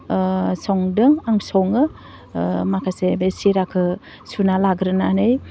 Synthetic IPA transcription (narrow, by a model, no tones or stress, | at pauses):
sɔŋdɯŋaŋsɔŋɯ | makʰasebesiɾakʰɯ | sunalaɡɾɯnanɯj